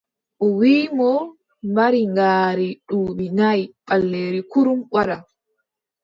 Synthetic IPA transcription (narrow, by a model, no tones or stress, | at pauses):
ʔɔwiːmɔ | maɾiŋɡaːɾiɗuːbinajɓalːeːɾikuɾumɓaɾa